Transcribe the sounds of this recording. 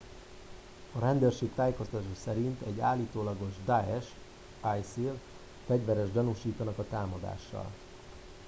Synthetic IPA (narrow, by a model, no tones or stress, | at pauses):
ɒɾɛnd̪øːrʃeːk̚t̪aːjeːko̞st̪ɒt̪ːʃɑsɛɾint̪ɛɟːaːlːiːt̪oːlɒɡo̞ʒd̪aɛʃ | ajsil | fɛɟʋɛɾɛʒɟɒnuʃiːt̪ɒnɒkɒt̪aːmɒd̪a̰ːʃːɒ̰l